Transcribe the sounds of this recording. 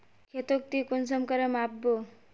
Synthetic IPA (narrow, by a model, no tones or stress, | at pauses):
kʰet̪ok̚t̪ikonsʌmkʌɾəmabːo